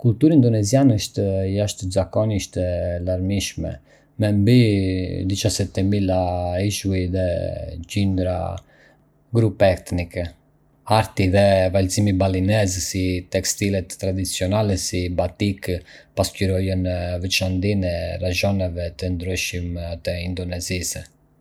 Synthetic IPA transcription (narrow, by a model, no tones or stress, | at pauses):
kult̪uɾind̪ɔnɛzianəʃt̪əjaʃt̪əzakɔniiʃt̪ɛlaɾmiʃmɛ̰ | mɛmbid̪it͡ʃasɛt̪ɛmilaiʃuiðɛcind̪ɾa̰ | ɡɾupɛɛt̪nikɛ | aɾt̪iðɛvalzimibalinɛzsit̪ɛkst̪ilɛt̪ːɾad̪it͡siɔnalɛsibat̪ikpascyɾɔjənvɛt͡ʃand̪inɛɾaʒɔnɛvɛt̪ənd̪ɾyʃimt̪ɛind̪ɔnɛzis